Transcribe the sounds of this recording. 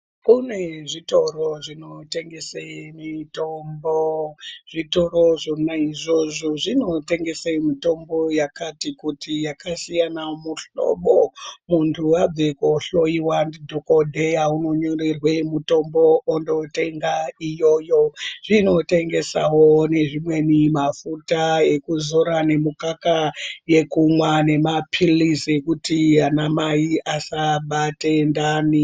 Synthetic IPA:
kune̞ʐito̞ro̞ʐino̞te̞ŋɡe̞seimitomboʐ̥ito̞ɾo̞ʐonaiʐo̞ʐo̞ʐino̞te̞ŋɡe̞seimito̞mbo̞jakatikutʰijakasijanamuɬo̞̰ɓomuntʰuwab͡vekoɬo̞iwandidʱokodʱejauno̞ɲo̞rirwe̞muto̞mbo̞ondo̞te̞ŋɡaijo̞jo̞ʐ̥ino̞te̞ŋɡe̞sa̰wo̞ne̞ʐimwe̞nimafutae̞kuzoɾane̞mukakaje̞kumwane̞mapʰilise̞kutianamaiʔasaɓate̞ndani

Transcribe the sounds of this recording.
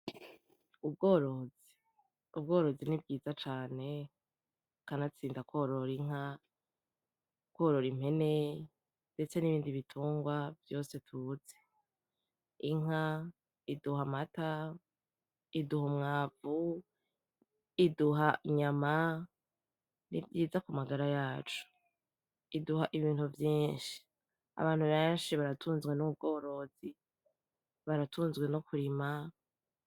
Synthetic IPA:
ub̚ɡo̞ːɾozi̥ | ub̚ɡo̞ːɾo̞zinib̚ɡiːzat͡ʃaːne̞ | kanat͡siːndakwo̞ɾo̞ɾiŋ̥a | kwoːɾo̞ɾim̥he̞ne̞ | nde̞t͡se̞niβiːndiβitʰuːŋɡwavjo̞ːse̞tʰuːze̥ | iŋ̥a | iduɦamata | iduɦomŋaːvu | iduɦaɲama | nḭvjiːzakumaɡaɾajaːt͡ʃu̥ | iduɦaʔiβiːnhuvjiːnʃi̥ | a̰βaːn̥huβeːnʃiβaɾatʰuːnzɡwe̞nuub̚ɡo̞ːɾo̞zi | βaɾatʰuːnzɡwe̞nokuɾima

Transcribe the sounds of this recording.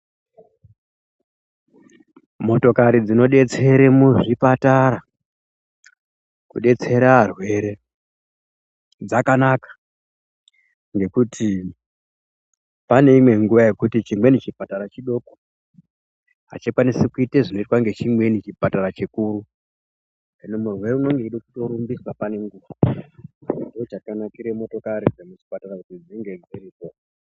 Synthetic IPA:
mo̞to̞kaɾid͡zino̞ɗe̞t͡se̞ɾemuʐipataɾa | kuɗe̞t͡se̞ɾaːrwe̞ɾe̞ | d͡zakanakḁ | ŋɡe̞kutʰi | pane̞imwe̞ŋɡuʋaje̞kutit͡ʃimwe̞nit͡ʃipataɾat͡ʃiɗo̞ko̥ | ɦa̰t͡ʃikwanisekuiteʐino̞itwaŋɡe̞t͡ʃimwe̞nit͡ʃipataɾat͡ʃikuɾu | kenomurwe̞ɾeuno̞ŋɡe̞iɗokuto̞ɾumbiswapane̞ŋɡuʋa | indoot͡ʃakanakiɾe̞mo̞to̞kaɾid͡zemut͡ʃi̥patarakutid͡ziŋɡe̞ɡiriko

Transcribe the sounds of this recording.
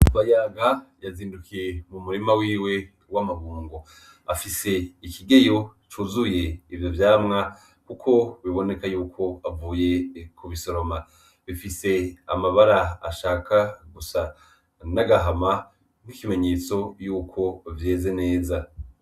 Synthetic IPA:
βajaːɡajaziːndukijemumuɾimawiːwe̞ | wamaβuːŋɡo | a̰fise̞ikiɡe̞jo̞t͡ʃuːzuje̞ivjo̞vjaːmŋa | kukʰo̞βiβo̞ne̞kajuːkʰo̞avuːje̞kuβiso̞ɾo̞ma | βifise̞a̰maβaɾaːʃaːkaɡusa | naɡaɦama | ŋ̥ikime̞ɲe̞ːt͡so̞juːkʰo̞vje̞ːze̞ne̞ːza

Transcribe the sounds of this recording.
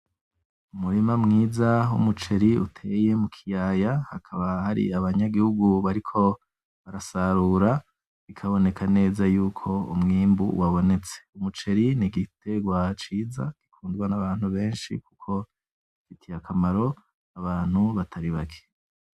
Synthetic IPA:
umuɾimamŋiːzaṵmut͡ʃe̞ɾiṵtʰe̞je̞mukʰijaːjahakʰaβahaɾḭaβaɲaɡihuɡuβaɾikʰo̞ | βaɾasaɾuːɾa | ikʰaβo̞ne̞kʰane̞ːzajuːkʰo̞ṵmŋiːmbṵwaβo̞ne̞t͡se̥umut͡ʃe̞ɾiniɡite̞ɡwat͡ʃiːza̰ɡ̥ikʰuːndɡwanaβaːnhuβe̞ːnʃḭkukʰo̞ | ifitʰijakʰamaɾo̞ | aβaːn̥huβatʰaɾiβakʰe̥

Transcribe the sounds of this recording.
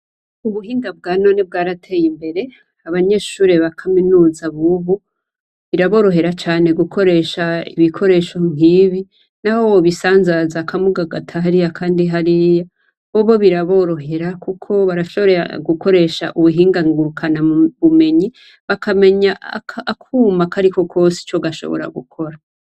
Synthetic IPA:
uβuɦiːŋɡab̚ɡaːnoneb̚ɡaːɾatʰe̞jimbe̞ɾe̞ | aβaɲe̞ʃuːɾeβakʰaminuːzaβuβu | βiɾaβo̞ːɾo̞ɦe̞ɾat͡ʃaːne̞ɡukʰo̞ɾe̞ʃaḭβikʰo̞ɾe̞ːʃo̞ŋ̥iβi | nahowoβisaːnzazakʰamuɡaɡatʰaɦaɾijakʰaːndiɦaɾija | βoβo̞βiɾaβo̞ɾo̞ɦe̞ɾakukʰo̞βaɾaʃo̞βoɾea̰ɡuko̞ɾe̞ʃa̰ʔuβuɦiːŋɡaŋɡukʰanaβume̞ɲi | βakʰame̞ɲaʔkʰaːkʰuːmakaɾiko̞kʰo̞ːsi̥t͡ʃo̞ɡaʃo̞̰βoɾa̰ɡukʰo̞ɾa

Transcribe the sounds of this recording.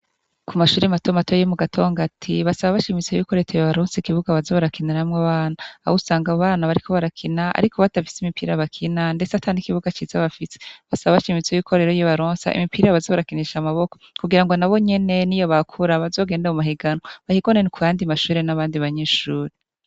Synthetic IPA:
kʰumaʃuːɾimatomatojomuɡatʰo̞ːŋɡatʰiβasaβaβaʃimit͡sejukoɾetʰojoβaɾoːnsikiβuɡaβazoβaɾakinaɾamŋaβaːnaa̰usaːŋɡaβaːnaβaɾiko̞βaɾakʰinaa̰ɾikʰo̞βatafi̥simipiːɾaβakʰinande̞t͡satʰanikiβuɡat͡ʃiːzaβafise̥βasaβaβaʃimit͡sejukʰoɾe̞ɾojiβaɾoːnsa̰ʔḭmipiːɾaβazoːβaɾakiniʃamaβo̞kokuɡiɾaŋɡo̞naβo̞ɲe̞ne̞nijo̞βakʰuɾaβazo̞ːɡeːndaumuɦiɡanβahiɡonenukujaːndimaʃuːɾenaβaːndiβaɲeːʃuːɾe

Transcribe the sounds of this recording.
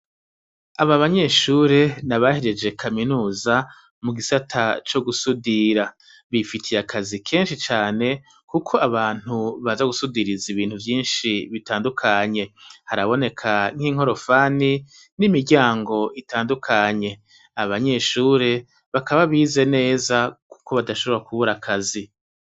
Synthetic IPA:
aβaβaɲe̞ʃuɾe̞naβaheɾe̞d͡ʒe̞kʰaminuːza | muɡisatʰat͡ʃo̞ɡusudiɾa | βifitʰijakʰazikʰe̞ːnʃit͡ʃaːne̞ | kukʰo̞aβaːn̥huβazaɡusudiɾiziβiːnhuvjiːnʃiβitaːndukʰaɲe̞haɾaβo̞ne̞kʰaŋ̥hiŋ̥o̞ɾo̞faːni | nimiɾɟaːŋɡo̞itaːndukʰaɲe̞ | aβaɲe̞ʃuːɾe̞ | βakaβaβiːze̞ne̞ːzaku̥ko̞βadaʃo̞βoɾakuβuɾakʰazi

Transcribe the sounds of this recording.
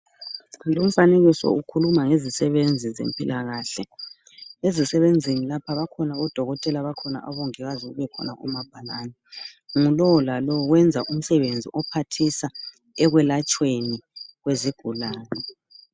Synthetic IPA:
lom̩faneɣisɔ̰ukʰulumaŋezisɛβend͡zʱizḛmpʼilaɣaːɬɛ | ezisɛβend͡zʱinilapʰaβakʰɔnaɔd̥ʱɔɣɔtʼɛlaβakʰɔna̰ʔa̰βoŋɛɣaziṵβɛkʰɔ̰naṵmab̥ʱalaːnɛŋulɔlalɔɣwɛnd͡zʱaʔum̩sɛβend͡zʱḭʔɔpʰatʰisa | ɛɣwɛlat͡ʃʼweniɣweziɡ̥ʱulaːnɛ

